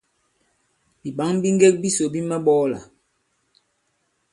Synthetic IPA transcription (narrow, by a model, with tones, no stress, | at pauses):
bi˨ɓa˨˦ŋbi˦ŋ˦ɡe˦k̚bi˦so˨bi˦ma˦ɓɔː˦la̰˨